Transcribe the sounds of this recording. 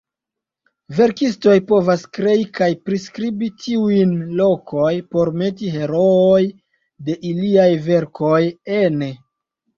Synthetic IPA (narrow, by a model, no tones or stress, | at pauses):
ve̞ɾkisto̞jpo̞vaskɾe̞ikajpɾiskɾibitiujnlo̞kʰojpo̞ɾme̞tiɦe̞ɾo̞oj | de̞ʔiliajve̞ɾkʰo̞jene